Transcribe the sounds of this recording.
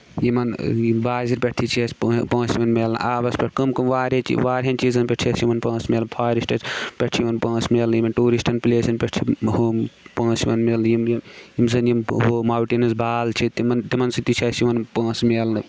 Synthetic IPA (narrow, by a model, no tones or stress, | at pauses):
jimɐnibaːziɾpʲeʈʰit͡ʃʰiɐspːpɐ̃ːsimɐnmeːlʔaːbɐspʲeʈʰkɐmkɐmʋaːɾet͡ʃḭʋaːɾʲɦɐnt͡ʃiːzɐnpʲeʈʰiɐsimɐnpɐ̃ːsmeːlpʰaːɾisʈɐt͡ʃpʲeʈʰijʋɐnpɐ̃ːsmeːljimɐnʈuːɾisʈɐnpileːsɐnpʲeʈʰihopɐ̃ːsimɐnmeːljimjjimsɐnjimɦomaːwʈinɐsbʱaːlt͡ʃʰit̪imɐnt̪imɐnsit̪it͡ʃʰɐsimɐnpɐ̃ːsmeːlɨ